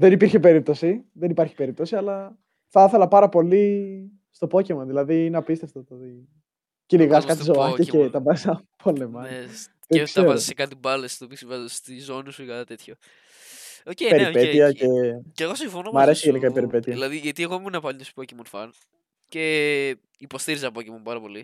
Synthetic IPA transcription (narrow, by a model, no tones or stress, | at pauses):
ðenipiɾçepe̞ɾip̚t̪osiðenipɐɾçi̥pe̞ɾip̚t̪o̞siɐlɐ | θɐθe̞lɐpɐɾɐpo̞li | st̪o̞po̞cemoðilɐðinɐpist̪eft̪ot̪t̪i | celiɣɐskɐt̪izoɐɐcet̪ɐbɐisɐpʰolemɐ | t̪ekseɾɐozisekɐt̪ibɐlest̪opisivɐzest̪izo̞nisukɐt̪ɐt̪et̪ço | ocepe̞ɾipet̪iɐceceɣosĩɱfonomɐɾe̞siʝenikɐipe̞ɾipe̞t̪iɐilɐðiʝɐt̪ieɣomunɐpɐlnt̪ospocemonfɐ̰n | ce̞ | ipo̞st̪iɾizɐpocemompɐɾɐpo̞li